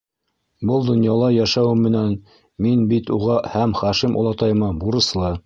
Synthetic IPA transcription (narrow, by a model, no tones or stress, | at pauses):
bɤlˠd̪ŏnjɑlˠɑjæʃæwɘmːɘ̆næn | minbit̪uʁɑhæmχæʃimʔṵlˠɑt̪ɑjmɑbuɾɤ̆slˠɤ